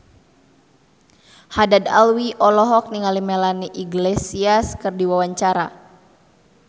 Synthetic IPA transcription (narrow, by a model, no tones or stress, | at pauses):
hadada̰lwiʔɔlɔɦɔk̚niŋalimelaniʔiɡlesiaskɨrdiwawaɲt͡ʃaɾa̰